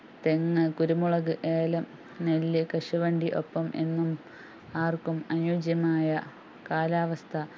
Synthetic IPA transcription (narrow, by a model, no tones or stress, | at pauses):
t̪eŋːɐkuɾumuɭɐɣɨʔeːlɐm | nelːɨkɐʂuʋɐɳɖiʔo̞̰pːɐmʔḛnːum | aːrkumɐnjuːd͡ʑjɐmaːjɐ | kaːlaːʋɐst̪ʰɐ